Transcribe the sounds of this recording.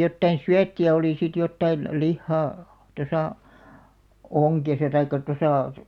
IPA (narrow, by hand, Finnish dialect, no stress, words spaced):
jotːɑin syætːiæ oliˑ sit jotːɑin lihːɑː tosɑˑ oŋkesɑ tɑikːɑ tosɑˑ